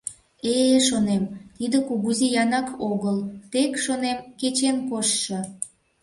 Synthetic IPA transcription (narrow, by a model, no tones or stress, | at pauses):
eʃonemt̪id̪ə̆kuɣuzijɑnɑkoɣəlt̪ekʃonemket͡ɕenkoʃʃɤ̆